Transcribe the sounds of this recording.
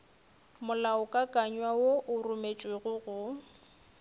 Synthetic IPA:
mʊlaʊkʼakʼaɲwawoʔʊrʊmet͡ʃʼweɣʊɣʊ

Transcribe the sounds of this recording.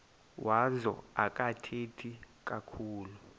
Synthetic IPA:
wʔazɔ̰ak̬ʼatʰetʰik̬ʼakʰuːlu

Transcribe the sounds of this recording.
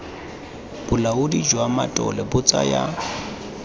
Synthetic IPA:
b̥ʊlaʊdid͡ʒwamatʼɔ̰lɛbʊt͡sʼa̰ja

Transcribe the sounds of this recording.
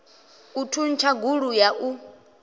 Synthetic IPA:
utʰun̩t͡ʃʰaɡuɺujaʔu

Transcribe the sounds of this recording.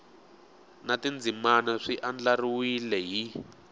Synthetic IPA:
natind͡zimanaʂiʔand͡ɮariwilɛɦi

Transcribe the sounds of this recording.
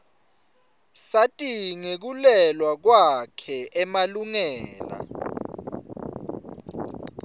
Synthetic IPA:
satʼiŋek̬ulɛlwak̬wakʰɛɛmaluŋɛːla̰

